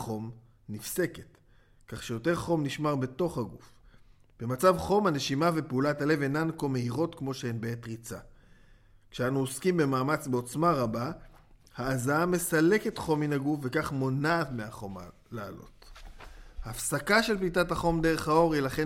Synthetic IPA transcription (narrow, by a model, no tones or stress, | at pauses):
χo̞m | nifse̞ket | kaχʃejo̞te̞ʁχo̞mniʃmaʁbe̞to̞χaɡufb̥e̞mat͡savχo̞mane̞ʃimave̞peulatale̞venanko̞me̞iʁo̞tkmo̞ʃeenbeetʁit͡sa | kʃeanuoskimbe̞maːmat͡sbeo̞t͡smaʁaba | haːzaame̞sale̞ke̞tχo̞minaɡufve̞kaχmo̞navmeaχo̞ma | lealo̞̰t | haːfsakaʃe̞lplitathaχo̞mdeʁe̞χhao̞ʁilaχe̞